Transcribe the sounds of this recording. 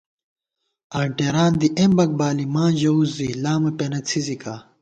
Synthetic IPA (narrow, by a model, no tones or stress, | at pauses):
aːɳʈeɾaːnd̪iʔembɐk̚baːlimãːʑɐuzːilaːmɐpenɐt͡sʰizika